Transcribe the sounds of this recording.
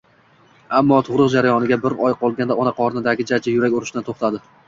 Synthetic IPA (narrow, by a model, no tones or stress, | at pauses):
amːɒt̪ʰʊʁɾɨqd͡ʒaɾajɒnɪɡʲabɪɾɒjqʰɒlˠɡʲand̪aɒnaqʰɒɾnɪd̪aɡʲɪd͡ʒat͡ʃʰajʊɾakʲʊɾɪʃd̪ant̪ʰoχt̪ʰad̪ɪ